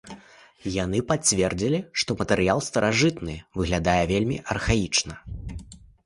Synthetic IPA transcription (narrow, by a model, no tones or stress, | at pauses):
janɨpat͡sʲvʲɛrd͡zʲilʲiʂt̪ɔmɐt̪ɛɾɨjalˠst̪ɐɾʔaʐɨt̪nɨvɨɣlʲad̪ajɛvʲelʲmʲiʔɐrxajit͡ʂnɐ